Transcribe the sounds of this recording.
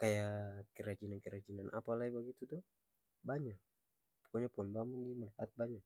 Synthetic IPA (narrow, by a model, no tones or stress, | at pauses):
kajakɛɾad͡ʒinankɛɾad͡ʒinanʔa̰palaibaɡit̪ut̪ɔ | baɲak | pɔ̥kɔɲapuɔnbamuŋɡimalihat̪̚baɲak̚